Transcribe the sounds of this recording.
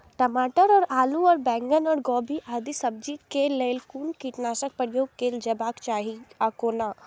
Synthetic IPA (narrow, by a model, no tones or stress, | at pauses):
ʈɐmaːʈəɾɔːɾaːlũɔːɾbɛ̃ːŋɡənɔːɾɡɔːbiʔaːd̪isɐb̚d͡ʒikelelkuːnkiʈnaːʃək̚pəɾjoːɡ̚keːld͡ʒəbaːkt͡ʃaːɦiaːkoːnaː